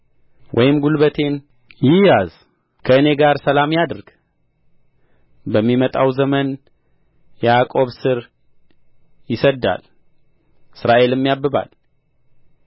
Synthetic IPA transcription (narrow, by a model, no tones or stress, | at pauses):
wʔɔjɪmɡulβət̪ʰe̞n | jɪjaz | kʰəɨne̞ɡaɾsəlamjad̪ɾɡ̥ | bəmːimət̪ʼawzəmən | jɛakʼo̞βsɨɾ | jɪsəd̪ːa̰l | ɨsɾaʔe̞lɨmːjabːɨβa̰l